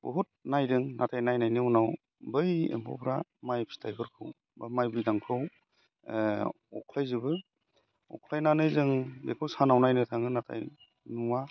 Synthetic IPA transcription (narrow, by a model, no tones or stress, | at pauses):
bɔɦut̚najdɯŋnatʰajnajnajniunaw | bɯjḛmpʰɔ̰pʰɾamajpʰi̥tʰajpʰɯɾkʰɯw | bamajbɯjɡaŋkʰɯw | ɔ̰kʰlajzɯbɯ | ɔ̰kʰlajnanɯjzɯŋbekʰɯwsanawnajnɯtʰaŋɯnatʰa̰j | nua